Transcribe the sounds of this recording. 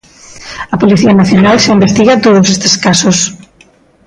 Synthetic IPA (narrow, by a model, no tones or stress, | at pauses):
ɐpoliθiɐnaθjonalsɪimbest̪iɣɐt̪oð̞ʊsest̪e̥skasos